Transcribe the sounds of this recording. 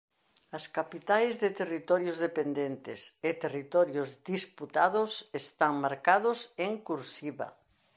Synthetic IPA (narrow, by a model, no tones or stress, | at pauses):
ɐskapit̪ajzðet̪erit̪ɔɾjozðepend̪ent̪ɪset̪erit̪ɔɾjozd̪isput̪aðʊsest̪aŋmaɾkaðʊseŋkuɾsiβa̰